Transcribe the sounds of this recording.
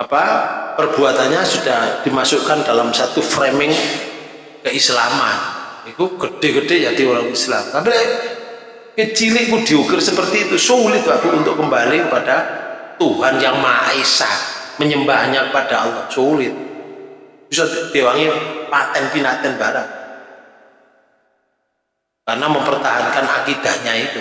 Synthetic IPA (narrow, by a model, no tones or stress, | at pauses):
apapərb̥uat̪anɲasud̥ahd̥imasʊkandalamsat̪ufɾemɪŋ | kəislama̰nikuɡ̥əɖ̥eɡəd̥ejad̪ioɾaŋislamkabi | kət͡ʃilɪʔkud̥iukɪrsəpərt̪iːt̪usoulɪt̪̚akuunt̪ʊʔkəmbalikəpadat̪uɦanjaŋmaisa̰məɲəmbaɦɲakəpad̥aɔlasolɪt̪̚ | b̥isɔd̪̥ewaŋipat̪ɛnpinat̪ɛnb̥aɾa | karnaməmpərt̪aɦankana̰kid̪̥a̤ʔɲait̪u